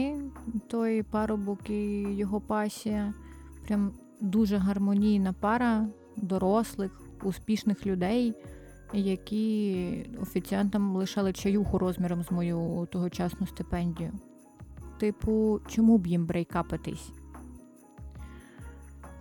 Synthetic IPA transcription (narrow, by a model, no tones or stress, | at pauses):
ɪt̪ɔjpɑɾʊbɔkɪjɔɦɔpɑsʲijɐpɾʲam | d̪uʒɛɦɐrmɔnʲijnɐpɑɾɐ | d̪ɔɾɔslˠɪx | uspʲiʃnɪxlʲʊd̪ɛj | jɐkʲi | ɔfʲit͡sʲijɑnt̪ɐmlˠɪʃɑlˠɪt͡ʃɐjuxʊɾɔzmʲiɾɔmzmɔjut̪ɔɦɔt͡ʃɑsnʊst̪ɪpɛnʲdʲijʊ | t̪ɪpʊt͡ʃɔmubjimbɾejkɑpɪt̪ɪ̰sʲ